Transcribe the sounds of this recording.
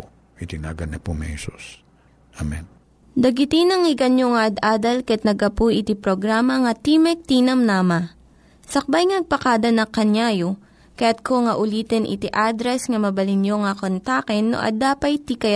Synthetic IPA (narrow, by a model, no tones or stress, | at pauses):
it̪ɪna̰ːɡɐnɐpomɛhɛsṵs | ʔamɛn | d̪ɐɡɪt̪inɐŋɪɡɐnjoŋɐʔɐd̪ʔaːd̪ɐlkɐjat̪nɐɡɐpujʔɪt̪ipɾoɡɾaːmɐŋɐt̪imɛk̚t̪inɐmnaːmɐ | sɐk̚bajŋɐnɐɡ̚pɐkaːd̪ɐnɐkɐɲjaːjo | kɐjat̪̚koŋɐʔʊliːt̪ɛnʔɪ̰t̪iʔaːd̪ɾɛsŋɐmɐbɐlɪnjoŋɐkont̪akɛnːo̰ʔɐ̰d̪aːpɐjt̪ikɐj